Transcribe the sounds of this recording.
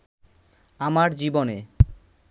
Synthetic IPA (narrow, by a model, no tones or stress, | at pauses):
amaɾd͡ʑibone